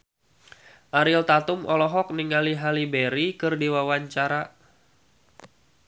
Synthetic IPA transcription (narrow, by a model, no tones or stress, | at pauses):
ʔaɾɪlt̪at̪umʔɔlɔɦɔk̚niŋaliɦalibeɾikɨrdiwawaɲt͡ʃaɾa